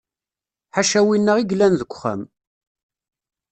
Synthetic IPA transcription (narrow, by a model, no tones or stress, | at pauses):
ħaʃæwinːəʁiɡlænðəkʷːχə̰m